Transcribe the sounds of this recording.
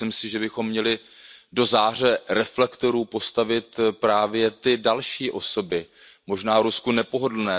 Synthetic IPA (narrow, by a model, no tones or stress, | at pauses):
ɪmsɪʒɛbɪxo̞mːɲɛlɪ | do̞zaːr̝ɛɾɛflɛkt̪o̞ɾuːpo̞st̪avɪt̪pɾaːvjɛt̪ɪdalʃiːʔo̞so̞bɪmo̞ʒnaːvɾuskunɛpo̞ɦo̞dl̩nɛː